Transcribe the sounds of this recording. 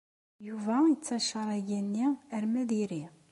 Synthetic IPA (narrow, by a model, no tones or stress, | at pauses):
juvæət͡sːæʃəɾˤæjænːiəɾmæðiɾi